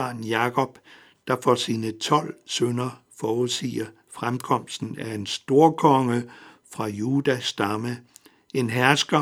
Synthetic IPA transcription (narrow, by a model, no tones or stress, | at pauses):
ɑ̈ːnjɑ̈kʰɒ̽b̥ | d̥ɑ̈fɒsiːnət͡sʰɒ̽l̰sønɐ | fɒːuðˠsḭːɐ | fʁamkʰɒ̽m̰sd̥n̩æe̝nsd̥o̝ɐkʰɒ̽ŋə | fʁɑ̈juːd̥æsd̥ɑ̈mə | e̝nɦæɐsɡ̥ɐ